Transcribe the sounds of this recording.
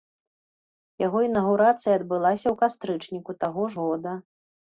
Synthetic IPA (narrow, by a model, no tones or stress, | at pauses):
jaɣɔinɐɣuɾat̪sɨjɐːd̪bɨlˠasʲɐwkast̪ɾɨt͡ʂnʲikut̪aɣɔʐɣɔd̪ɐ